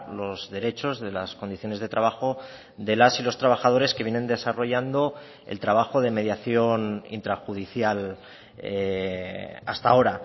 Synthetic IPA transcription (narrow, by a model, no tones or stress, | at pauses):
lo̞zðe̞ɾe̞t͡ʃo̞zðe̞lasko̞nd̪iθjo̞ne̞zðe̞t̪ɾaβaxo̞ | ðe̞lasilo̞st̪ɾaβaxað̞o̞ɾe̞ske̞βje̞ne̞nd̪e̞saro̞ʝand̪o̞ | e̞̰lt̪ɾaβ̞axo̞ðe̞me̞ðjaθjo̞nḭnt̪ɾaxuð̞iθjal | e | a̰st̪ao̞ɾa